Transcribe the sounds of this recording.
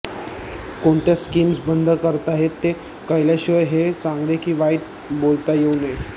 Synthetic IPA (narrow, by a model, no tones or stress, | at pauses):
koɳt̪jaskiːmsbənd̪ʱəkəɾt̪aɦet̪ːe | kəjlaɕiʋəjɦet͡sãŋɡlekiːʋajt̪̚ | bolt̪ajeune